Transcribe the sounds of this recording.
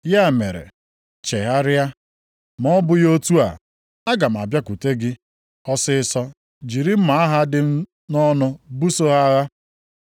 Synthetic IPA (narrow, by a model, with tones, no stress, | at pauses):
ja˦˨me˨ɾḛ˨ | t͡ʃe˨ɦa˦ɾɪ˦a˦ | m˨ɔ˦bʊ˦jo˦tu˦a̰˨ | a˦ɡa˨m̩˨a̰˨bja˦ku˨te˦ɡɪ˦ | ɔ˦sɪ˦ɪ˦sɔ˦ | d͡ʒi˨ɾi˦m̩˦ma˨a˦ɦa˦dɪ˦m̩˦ | nɔ˦nʊ˦bu˦so˦ɦa˦ɣa˦